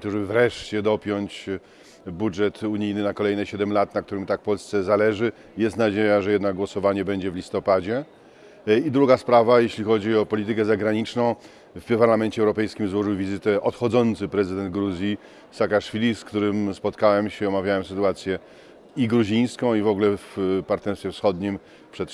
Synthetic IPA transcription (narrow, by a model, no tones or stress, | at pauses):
t̪ɔʐɛbɘvɾɛʂt͡ɕɛd̪ɔpʲjɔɲt͡ɕ | budʐɛt̪uɲijnɘnakɔlɛjnɛɕɛd̪ɛmlat̪nakt̪uɾɘmt̪akfpɔlst̪sɛzalɛʐɘ | jɛst̪nad͡ʑejaʐɛjɛd̪naɡ̚ɡwɔsɔvaɲɛbɛɲd͡ʑɛvlʲist̪ɔpad͡ʑɛ | id̪ɾuɡaspɾavajeɕlʲixɔd͡ʑiɔpɔlʲit̪ɘkɛzaɡɾaɲit͡ʂnɔ̃w̃ | fpaɾlamɛnt͡ɕɛwɾɔpɛjskʲimzwɔʐɨwvʲizɘt̪ɛʔɔt̪xɔd̪zɔnt̪sɘpɾɛzɘd̪ɛnd̪ɡɾuzʲji | sakaʂfʲilʲiskt̪uɾɘmspɔt̪kawɛmɕɛɔmavʲjawɛmsɘt̪uat̪sʲjɛ | iɡɾuʑĩj̃skɔ̃w̃ivɔɡlɛfpaɾt̪nɛɾst̪fʲjɛfsxɔd̪ɲim | pʂɛt̪